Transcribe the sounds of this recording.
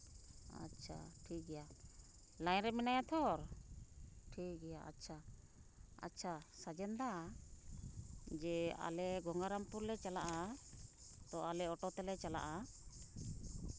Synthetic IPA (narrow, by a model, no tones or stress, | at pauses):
a̰t͡ʃʰa̰ʈʰik̚ɡɛja | lajnɾɛmɛnajat̪ʰɔɾ | ʈʰikɡɛjaa̰tːt͡ʃʰa | a̰tːt͡ʃʰasad͡ʒɛnd̪a | d͡ʒɛa̰lɛɡɔŋɡaɾampuɾlɛt͡ʃalaʔa | t̪ɔalɛɔʈɔt̪ɛlɛt͡ʃala̰ʔa